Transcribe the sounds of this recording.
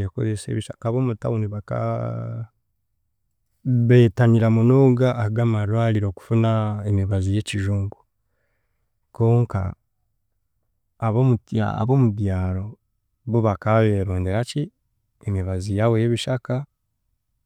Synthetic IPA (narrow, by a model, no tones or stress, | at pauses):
jeko̞̰zese̞̰βiʃa̰kaβomuta̰uniβaka̰ | βe̞ːtaniɾamunoɡaːɡaːmaɾwaːliɾo̞ːku̥funaemiβazije̞ciʒuːŋɡu | ko̞ːŋka̰ | βomua̰a̰βo̞muβjaːɾo̞ | βuβakaβe̞ɾoːndeɾaci | emiβazijaβojeβiʃaka